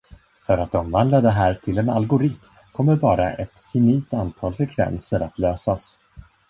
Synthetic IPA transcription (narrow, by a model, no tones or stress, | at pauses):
fœɾat̪ɔmvand̪lad̪ɛɦæːʈʰɪlɛna̰lɡʊɾɪt̪m | kʰɔmːəɾbɑːɾaʔɛt̪fɪniːt̪ant̪ʰɑːlfɾɛkʰvɛ̰nsəɾat̪løːsas